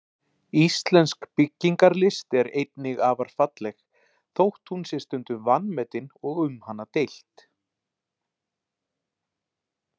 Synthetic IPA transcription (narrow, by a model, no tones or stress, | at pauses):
ist̪lɛnskpɪcːiŋkaɾlɪst̪ɛɾejt̪nɪɣaːvaɾ̥fat̪lɛx | θowht̪hunsjɛɾ̥st̪ʏnt̪ʏvanmɛt̪ɪnɔɣʏmhanːat̪ejl̥t̪